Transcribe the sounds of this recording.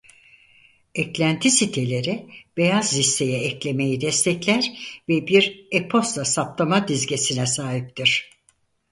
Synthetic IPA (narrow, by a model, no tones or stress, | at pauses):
ɛclʲænt̪ʰisit̪ʰe̞lʲeɾib̥e̞jazːist̪ʰe̞jɛɛclʲe̞me̞jid̪ɛst̪ʰɛclʲæɾvɛbiɾepʰo̞st̪lˠasap̚t̪ʰamad̪izɟesinɛsaːɦip̚t̪ʰiɾ̥